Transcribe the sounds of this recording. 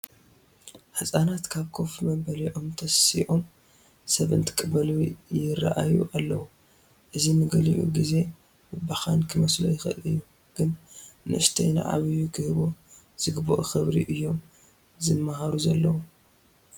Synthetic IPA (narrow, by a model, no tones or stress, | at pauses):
ħɨsʼanat̪kʰaβkʰo̞fimɐmbɐliʔo̞mt̪ʰɐsḭʔom | sɐβɨ̰nt̪ʰɨ̥kʼɨbɐlijɪrːa̰ʔajṵʔalːɐwu | ʔɨzinɨɡɐliʔṵɡize̞ | wɨbaxankʰɨmɐslojɪxɐ̰ʔɨjːu | ɡ̥ɨnnɨʔɨʃt̪ʰɐjna̰ʕa̰βijukʰɨhɨβo | z̥ɨɡbɐʔoxɨβɾḭʔɨjːo̞m | zɨmːaɦaɾuzɐlːɐwu